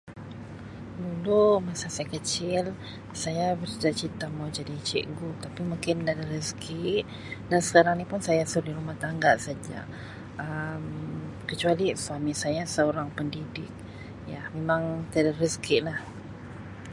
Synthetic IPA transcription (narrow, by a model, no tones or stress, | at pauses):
dulumasasajakət͡ʃɪl | sajabəsdat͡ʃint̪amawd͡ʒadit͡ʃɛ̰ʔɡut̪apimuŋkɪndadəɾəskʰɪʔ̚ | dansə̥kaɾaŋnipʊnsajasudiɾumaht̪aŋɡaʔsad͡ʒa̰ | əm | kət͡ʃualiswamisajasəoɾaŋpəndidɪk̚ | jamemaŋt̪iadaɾəskɪʔ̪lah